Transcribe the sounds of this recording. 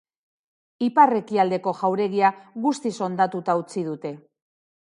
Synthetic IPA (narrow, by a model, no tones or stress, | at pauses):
ipare̞kiald̪e̞ko̞ʝawɾe̞ɣiaɣust̪iso̞nd̪at̪ut̪aut͡sið̞ut̪e̞